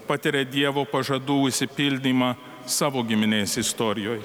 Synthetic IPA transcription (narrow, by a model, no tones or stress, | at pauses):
pɐt̪ʲɪɾʲed̪ʲiɛʋoːpɐʒɐd̪uːʊʃʲsʲɪpʲɪlʲd̪ʲiːmɑː | sɑːʋoːɡʲɪmʲɪnʲeːsɪst̪oːɾʲɪjoːj